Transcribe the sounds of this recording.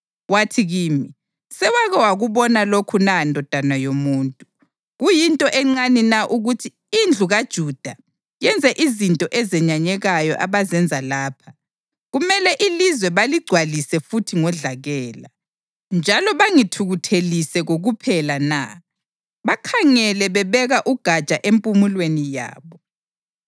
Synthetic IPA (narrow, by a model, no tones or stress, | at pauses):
watʰiɣiːmi | sɛwaɣɛwaɣuβɔnalokʰunandʱɔd̥ʱanajomuːntʼu | ɣujintʼɔʔɛŋ͡ǀaninaʔuɣutʰiːnd͡ɮʱuɣad̥ʒ̥ʱud̥ʱa | jɛnd͡zʱɛʔizintʼɔʔɛzɛɲaɲɛɣajɔ̰ʔaβazɛnd͡zʱalaːpʰa | ɣumɛlɛʔilizwɛβaliɡ͡ǀʱwalisɛfutʰiŋɔɮaɣɛːla | nd͡ʒʱalɔβaŋitʰuɣutʰelisɛɣoɣupʰɛlana̰ | βakʰaŋɛlɛβɛβɛɣaʔuɡ̥ʱat͡ʃʼaʔempʼumulwenija̰ːβɔ